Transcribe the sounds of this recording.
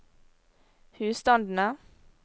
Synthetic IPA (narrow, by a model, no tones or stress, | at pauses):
hʉːst̪ɑnd̪n̩ə